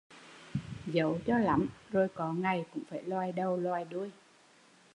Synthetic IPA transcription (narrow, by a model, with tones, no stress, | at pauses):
zə˨˦wt͡ɕɔ˧la̰˨˩˦mzo˧˩jkɔ˨˦ŋa˨˩jkʊ̰˧˥ŋ͡mfaː˧˩jlwaː˧jɗə˧wlwaː˧jɗu˧əj